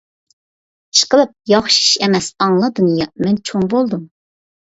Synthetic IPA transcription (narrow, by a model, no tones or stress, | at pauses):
i̥ʃqəlˠɨp̚jɑχʃi̥ʃɛmɛsɑŋlˠɑd̪ɨnjɑmɛnt͡ʃʰoŋbolˠd̪um